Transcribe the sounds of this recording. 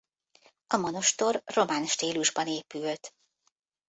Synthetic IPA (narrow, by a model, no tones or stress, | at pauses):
ɒmono̞ʃt̪o̞rro̞maːnʃt̪iːluʒbɒneːpylt̪